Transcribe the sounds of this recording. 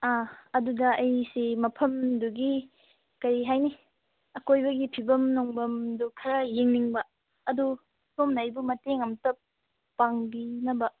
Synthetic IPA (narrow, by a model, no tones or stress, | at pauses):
aɐdudɐɐjsemɐpʰɐmduɡi | kɐɾiɦajni | ɐkojbɐɡipʰibɐmnɔŋbɐmdukʰɐɾɐjeŋniŋbɐ | ɐdu | somnajbumɐteŋɐmtɐp | pːaŋbinɐbɐ